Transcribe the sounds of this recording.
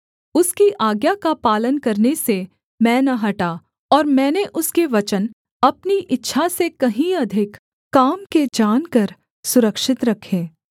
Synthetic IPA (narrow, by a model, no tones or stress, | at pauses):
ʊskiʔaːɡjakapaːlənkɐɾnese | mɛ̃ːnɐɦɐʈa | ɔːɾmɛ̃ːneʔʊskeʋɐt͡ʃən | ɐpniʔɪtːʃʰasekɐɦĩɐd̪ʱɪkː | aːmked͡ʒaːnkɐɾ | sʊɾəkʃɪt̪ɾɐkʰːẽː